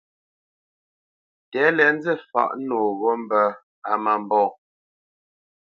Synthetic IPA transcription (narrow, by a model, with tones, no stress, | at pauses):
tɛ˨˦lɛ˨˦n̩˦d͡zɛ˦fa̰˨ʔnoː˨ɣɔ˦m̩˦bə˦ | a˨ma˨m˦bɔ̃ː˦˨